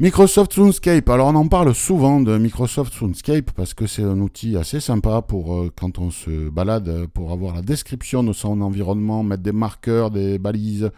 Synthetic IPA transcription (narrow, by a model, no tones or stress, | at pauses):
mikχɔsɔft̪sũnskʲajpalɔʁɔ̃nɑ̃paʁlsuvɑ̃d̪əmikχɔsɔft̪sunskʲajppaʁsə̥kəsɛt̪ɛ̃nut̪ʰiasesɛ̃papuʁøkɑ̃t̪ɔ̃səbalad̪puʁavwaʁlad̪ɛskχipsjɔ̃d̪əsɔ̃nɑ̃viʁɔnmɑ̃mɛt̪̚d̪emaʁkœʁd̪ebaliz